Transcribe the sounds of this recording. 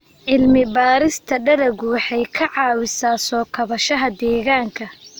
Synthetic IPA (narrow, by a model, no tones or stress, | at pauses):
ʕɪlmɪbaːɾɪst̪ʰɐɖɐɾɐɣʊwɑħɑjkʰɐʕɑːwɪsaːsɔːkʰɐβɐʃɐɦɐd̪ɛːɣaːŋkʰɐ